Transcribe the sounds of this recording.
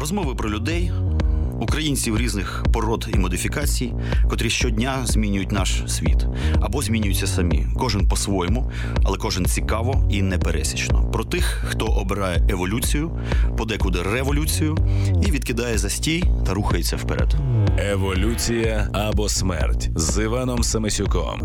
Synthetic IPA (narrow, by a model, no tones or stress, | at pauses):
rɔzmɔʋɪpɾɔlʲʊd̪ɛj | ukɾɐjinʲt͡sʲiwɾʲiznɪxpɔɾɔd̪imɔd̪ɪfʲikɑt͡sʲij | kɔt̪ɾʲiʃt͡ʃɔdʲnʲazʲmʲinʲʊjʊtʲnɑʃsʲʋʲḭt̪ɐbɔzʲmʲinʲʊjʊt͡sʲːɐsɐmʲḭkɔʒɪnpɔsʋɔjɔmʊ | ɐlˠɛkɔʒɪnt͡sʲikɑʋɔinɛpeɾʔɛ̰sʲi̥t͡ʃnɔ̰pɾɔt̪ɪxːt̪ɔʔɔbeɾɑjɛeʋɔlʲut͡sʲijʊ | pɔd̪ɛkʊd̪ɛrɛʋɔlʲut͡sʲijʊiʋʲid̪̚kɪd̪ɑjɛzɐsʲtʲijt̪ɐɾuxɐjet͡sʲːɐwpɛɾɛ̰d̪eʋɔlʲut͡sʲijɐɐbɔsmɛ̰rtʲzɪʋɑnɔmsɐmesʲʊkɔ̰m